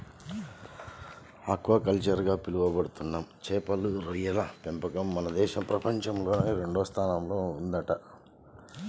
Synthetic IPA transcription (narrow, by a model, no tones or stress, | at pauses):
ɐkːuʋɐkɐlt͡ʃɐɾɡaːpiluʋɐbɐɽut̪unːaːmt͡ʃɛːpɐluɾojɐlɐpempɐkɐmːɐnɐd̪ɛːʃɐpɾɐpɐɲt͡ʃɐmlo̞ːneːɾe̞ɳɖɔːst̪ʰaːnɐmlo̞ːund̪ɐʈɐ